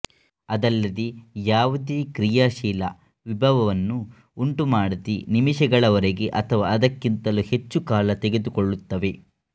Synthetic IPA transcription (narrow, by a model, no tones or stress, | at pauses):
ɐd̪ɐlːɐd̪ijaːʋud̪eːkɾijaːʃiːlɐ̰ | ʋibʱɐʋɐʋɐnːuː | ɳʈumaːɽut̪inimiʃɛɡɐɭɐʋɐɾeɡe̞ʔɐt̪ʰɐʋaɐd̪ɐkːint̪ɐluhet͡ʃːukaːlɐt̪eɡe̞d̪ukoɭːut̪ːɐʋe̞